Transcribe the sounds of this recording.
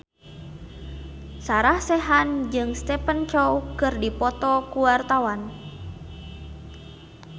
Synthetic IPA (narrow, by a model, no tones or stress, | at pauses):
saɾahsɛɦand͡ʒɨŋst̪ɛpənt͡ʃɔwkɨrdipɔt̪ɔkuwart̪awan